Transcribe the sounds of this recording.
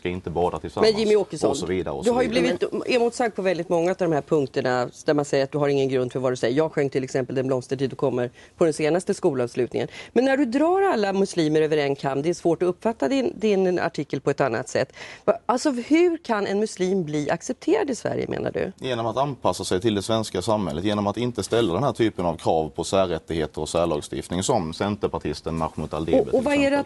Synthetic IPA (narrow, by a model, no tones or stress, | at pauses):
skaɪnt̪əbɑːɾat̪ʰɪlsamɛjɪmːɪɔːkːəsɔnɔviːd̪a̰ɾ̰d̪ɵɦaɾjɵbliːvɪt̪ɛmuːt̪sak̚t̪̚pʰɔvɛld̪ɪt̪mɔŋːaʉt̪avd̪ɔmɦæːɾpʰɵŋk̚t̪əɳad̪̥æɾmansɛjːəɾat̪̚d̪ɵɦaɾɪŋːənɡɾɵnd̪fœɾvad̪ɵsɛjːəjɑːɡɧœŋːʈ̪ʰɪlɛksɛmpəld̪ɛnblɔmst̪əʈʰiːd̪ɵkʰɔmːəɾ | pʰɔd̪ɛnseːnast̪əskuːlɑvslʉ̟ːt̪nɪ̰ŋə̰nmɛnːæɖɵd̪ɾɑːɾalːamɵsliːməɾøːvəɾɛnkʰamd̪ɛæʂvoːʈɔɵpːfat̪ːad̪ɪnd̪ɪna̰ʈʰɪkːəlpʰɔɛt̪anːa̰t̪sɛ̰t̪ːvaalsɔhɵɾkʰanɛ̰nmɵsliːmbliːʔa̰ksɛp̚t̪ʰeːɾad̪ɪsvæ̰ɾjə̰mʔḛːna̰ɖɵ̰jeːnɔmat̪anpʰasːasɛjt̪ʰɪld̪ɛsvɛnskasamhɛlːət̪jeːnɔmat̪ɪnt̪əst̪ɛlːad̪ɛnhæːʈʰyːpənavkʰɾɑːvpʰɔsæːɾɛt̪ːɪɡheːt̪əɾɔsæːɭɑːɡst̪ɪ̰ft̪nɪŋsɔmsɛnt̪əɾpaʈʰɪst̪ənːa̰ɧnʊt̪ʰa̰ld̪ḛbɛɔvaæɖɛat̪